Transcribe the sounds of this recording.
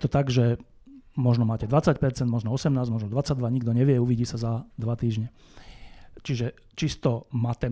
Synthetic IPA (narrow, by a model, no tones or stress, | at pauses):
t̪ɔt̪aɡʒɛ | mɔʒnɔmaːcɛd̪ʋat͡sacpɛɾt͡sɛnd̪mɔʒnɔɔsɛmnaːzmɔʒnɔd̪ʋat͡saɟ̚d̪ʋaɲiɡd̪ɔɲɛʋɪɛuʋiːɟiːsazad̪ʋat̪iːʒɲɛ | t͡ʃiʒɛ | t͡ʃist̪ɔmaːt̪ɛ